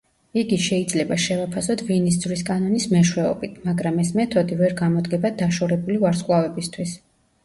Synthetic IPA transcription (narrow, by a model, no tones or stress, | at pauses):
iɡiʃɛid̪zlɛbaʃɛvapʰasɔt̪ʰvinis̬zviskʼanɔnismɛʃwɛɔbit̪ʰmaɡɾamɛsmɛt̪ʰɔd̪ivɛɾɡamɔd̪ɡɛbad̪aʃɔɾɛbulivaɾsqʼwavɛbist̪ʰwis